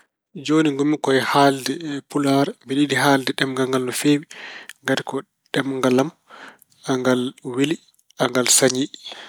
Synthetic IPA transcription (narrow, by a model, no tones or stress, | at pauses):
d͡ʒoːniŋɡomːikɔɛhaldɛpulaɾmbiɗidiɦaldɛɗɛmŋɡaŋɡalnɔfeːwiŋɡatikɔ | ɗɛmŋɡalam | aŋɡalweli | ʔaŋɡalsaɲi